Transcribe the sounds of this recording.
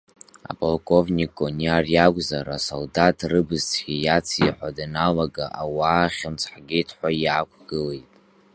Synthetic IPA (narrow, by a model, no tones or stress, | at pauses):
a̰pʰʼolkʼo̞vnʲikʼoniarjakʷʼzaɾasoldatʰrɨbɨzt͡sʰɡʲijat͡sʰiħʷadanalaɡaʔawaːχʲɪmt͡sʰħɡʲetʰħʷajaːkʷʰɡ̥ɨle̞jtʼ